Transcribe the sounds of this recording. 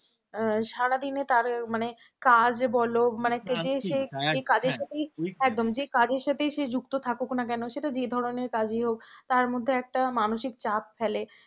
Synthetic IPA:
ʃaɽad̪inet̪aɾmane | kad͡ʑbɔlomanekd͡ʑeʃed͡ʑekad͡ʑeɾʃat̪ʰejɛk̚d̪omd͡ʑekad͡ʑeɾʃat̪ʰeʃed͡ʑukt̪ot̪ʰakoknak̬ɛnoʃeʈad͡ʑed̪ʱɔɾoneɾkad͡ʑijɦok̚t̪aɾmod̪ʱːeɛk̚ʈamanoʃikt͡ɕap̚fɛle

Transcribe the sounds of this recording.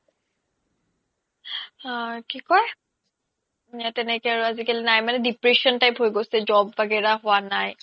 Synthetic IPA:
kikɔj | jatɛnɛkɛaɹuazikalinajmanɛdipɹesɔntajpɦojɡosɛzɔbbaɡɛɹaɦʊwanaj

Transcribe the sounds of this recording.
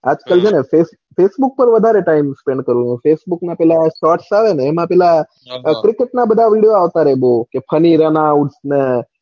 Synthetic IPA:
a̰d͡ʒkəld͡ʒenefes | fesbuk̚pəɾʋəd̪ʱaɾeʈaimspẽɳɖ̚kəɾũt͡ʃũfesbuknapɛlaʃɔʈsaʋeneːmãpɛla | kɾikeʈnabəd̪ʱaʋiɽijoaʋt̪aɾebokepʰəniɾanauʈsne

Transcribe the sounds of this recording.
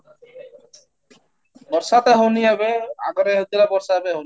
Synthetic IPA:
bɔɾsat̪eɦoniɦɛbea̰ɡɔɾeɦot̪ilabɔɾsabeɦon

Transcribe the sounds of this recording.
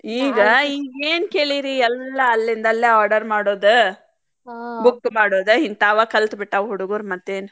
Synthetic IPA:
iːɡɐiːɡeːnkeːɭiɾiɛlːɐːlːind̪ɐlːeaːɾɖɐɾmaːɽoːd̪u | bukːmaːɽoːd̪uɦint̪aːʋɐkɐlt̪biʈːɐʋɦuɽuɡuɾmɐt̪ːeːnu

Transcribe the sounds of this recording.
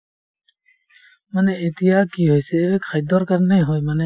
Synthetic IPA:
məneɪt̪ijaːkiɦoːjseʋekxəjd̪ɔːɾkəɾneɦoːeməne

